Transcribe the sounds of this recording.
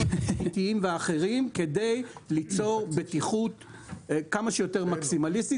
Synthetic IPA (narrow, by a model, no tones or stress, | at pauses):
it̪iimveaχe̞ʁimke̞d̪ejlit͡so̞ʁbetiχut̪ | kamaʃejo̞teʁmaksimalist̪i